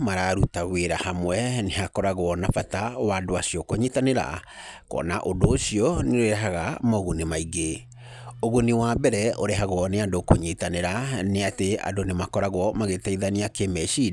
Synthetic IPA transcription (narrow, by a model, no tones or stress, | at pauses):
maɾaɾutaweɾahamwɛneɦakɔɾaɣwɔnafatawadoasiɔkoɲitaneɾa̰ | kɔ̰naʔondoːsiɔneoɾɛɦaɣamaɣunemaiɡe | oɣoniwabɛɾɛʔoɾɛɦaɣwɔneandokoɲitaneɾaneatea̰donemakɔɾaɣwɔmaɣetɛiðaniakemɛʃi